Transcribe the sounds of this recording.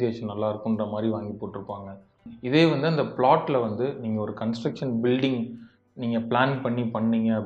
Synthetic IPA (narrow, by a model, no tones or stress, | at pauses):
eːʂɐnnɐlːaːɪɾɯkːʊnrɐmaːd̪ɾiʋaːŋɡipoːʈːɪɾɯpːaːŋɡɐ | ɪðeːʋɐnd̪ɯɐnd̪ɐpɭaːʈːlɐʋɐnd̪ɯniːŋɡɐɔɾɯkɐnsʈɾɐkʂɐnbɪlɖɪŋɡ | niːŋɡɐpɭaːnpɐɳːipɐɳːɪŋɡɐɐ